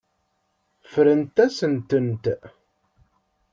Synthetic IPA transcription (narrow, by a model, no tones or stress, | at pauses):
fɾənt̪æsənt̪ənt̪